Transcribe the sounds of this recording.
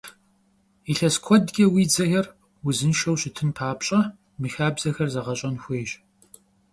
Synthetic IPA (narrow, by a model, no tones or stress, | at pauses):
iɬɐskʷʰɔdɡʲʼɐwiːd͡zɐxɐr | wʊzɨnʃɐwɕɪtʰɨnpʰaːpɕʼɐ | mɨxaːbzɐxɐrzɐʁɐɕʼɐnxʷeːɕ